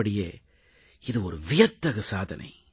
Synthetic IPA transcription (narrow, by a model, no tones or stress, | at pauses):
ɐɽɪjḛː | ɪðɯɔɾɯʋɪjɐt̪ːɐɣɐsaːðɐ̰nʔɐ̰ɪ